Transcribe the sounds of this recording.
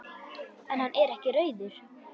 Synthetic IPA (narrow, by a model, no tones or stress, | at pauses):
ɛnhanːʔɛɾɛhcɪrœːɥðʏɾ̥